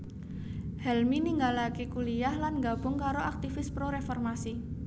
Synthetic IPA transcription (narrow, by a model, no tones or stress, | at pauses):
hɛlminiŋɡalakekulijahlanɡab̥ʊŋkaɾoʔak̚t̪ifɪspɾoɾefɔrmasi